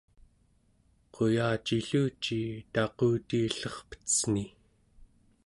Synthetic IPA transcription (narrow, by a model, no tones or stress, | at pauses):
qʰo̞jaːt͡ʃiɬuːt͡ʃit̪ɑquːt̪iːɬʌχpə̥t͡sni